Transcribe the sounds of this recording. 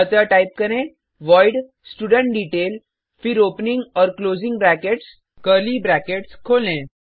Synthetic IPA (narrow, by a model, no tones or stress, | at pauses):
ət͡saʈaip̚kəɾẽ | ʋɔjɖ | sʈuɽəɳʈ̚ɖiʈel | fiɾopniŋɡɔɾklod͡ziŋɡbɾækeʈs | kəlibɾækeʈskʰolẽ